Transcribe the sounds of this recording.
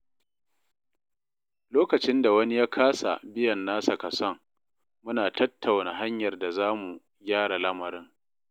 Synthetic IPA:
loː˦kɐ˨t͡ʃɪ˦nda˨wɐ˦ni˦jaː˦kʰaː˦sa̰˨bɪ˦jɐ˨nːaː˦sa˨kɐ˨sɔ˦ŋ | mʊ˦naː˨tɐ˦tːa˨wna˨ɦa˦ɲjɐ˨rda˨zaː˦mu˨ | ɡʲaː˦ɽa˨lɐ˦mɐ˨ɾɪ˦ŋ

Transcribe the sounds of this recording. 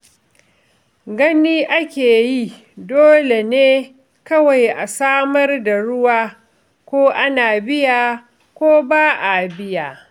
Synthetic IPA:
ɡɐ˦niː˦ʔa˦kʲeː˨ji˦ | doː˦le˨neː˦ | kɐ˦wa˨jʔa˨saː˦mɐ˦rda˨ɽʊ˦waː˦ | kʷoː˦ʔa˦naː˨bɪ˦jaː˨ | kʷoː˦baː˦ʔa˨bɪ˦jaː˨

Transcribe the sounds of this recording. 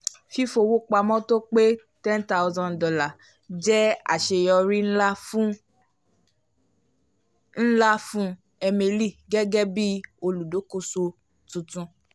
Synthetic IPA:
fi˦fo˧wo˦k͡pa˧mɔ̃˦to˦k͡pe˦ | tɛ̃˦nta˦wzɔ̃˧ndɔ˦la˨ | d͡ʒɛ˦a̰˨ʃe˧jɔ˧ɾi˦n̩˦la˦f | n̩˦la˦fũ˦ | ɛ˧mẽ˧li˦˨ɡɛ˦ɡɛ˦bi˦o˧lu˨do˨˦ko˦so˧ | tũ˧tũ˧

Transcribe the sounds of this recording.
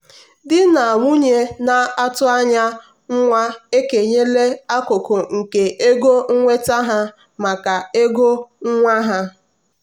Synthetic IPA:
dɪ˦na˨ŋʷu˦ɲe˦na˨a˦tʊ˦a˦ɲa˦ | ŋ̩˦ŋʷa˦e˦ke˨ɲe˦le˦a˦kʊ˨kʊ˨ŋ̩˨ke˨ʔe˦ɡo˦ŋ̩˦ŋʷe˦ta˦ɦa˦ | ma˨ka˨e˦ɡo˦ŋ̩˦ŋʷa˦ɦa˦

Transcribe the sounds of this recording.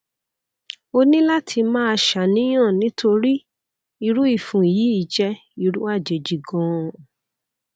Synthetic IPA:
o˧nĩ˦la˦tʰi˧mãː˦a˧ʃa˨nĩ˨˦j̃ã˦˨nĩ˨˦tʰo˧ɾi˦ | i˧ɾu˦i˦˨fũ˨jiː˨˦i˦˨d͡ʒɛ˧ | i˦˧ɾu˦a˦˨d͡ʒe˨d͡ʒi˨ɡɔ̃˨

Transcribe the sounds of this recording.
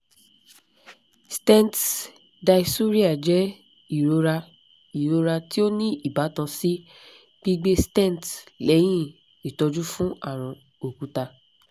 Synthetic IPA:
stɛ̃˦˨t | da˧i˧su˦ɾi˦a˦˨d͡ʒɛ˨˦ | i˦˨ɾo˧ɾa˧ | i˨ɾo˧ɾa˧ti˦o˦nĩ˦i˦˨ba˨˦tã˧si˦ | b̥i˦ɡ͡be˦stɛ̃˦˨tlɛ˨˦j̃ĩ˦ | i˨tɔ˧d͡ʒu˦fũ˦a˦˨ɾ̃ã˨ | o˨kũ˨˦ta˧

